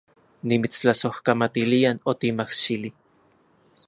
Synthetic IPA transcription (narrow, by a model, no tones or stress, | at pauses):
nimit͡st͡ɬasohkamat̪ilianot̪imahʃili